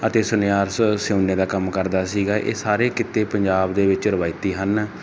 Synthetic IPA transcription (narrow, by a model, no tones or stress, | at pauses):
ət̪eːsʊnjaːɾssõːneːd̪aːkəmkəɾd̪aːsiːɡaːʔḛːsaːɾeːkɪt̪eːpəɲd͡ʒaːbd̪eːʋɪt͡ʃɾəʋaːit̪iːɦən